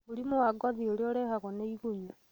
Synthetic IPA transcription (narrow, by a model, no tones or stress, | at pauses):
muɾimowaɡɔðioɾeoɾɛhaɣɔneiɣuɲu